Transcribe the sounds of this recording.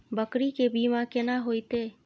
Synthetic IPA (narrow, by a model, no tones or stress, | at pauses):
bəkɾikebiːmãkɪnaɦoːjt̪eː